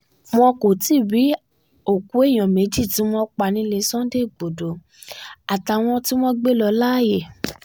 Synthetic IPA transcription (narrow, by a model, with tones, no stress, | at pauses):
m̃ɔ̃˧ko˨ti˦˨bi˨˦ | o˨ku˨˦e˦˨j̃ɔ̃˨me˨˦d͡ʒi˦˨ti˨˦m̃ɔ̃˦k͡pa˧˨nĩ˧le˧˦sɔ̃˦de˦˨ɡ͡bo˨do˨˦ | a˨ta˨w̃ɔ̃˧ti˦w̃ɔ̃˦ɡ͡be˦lɔ˧la˦˨je˦˨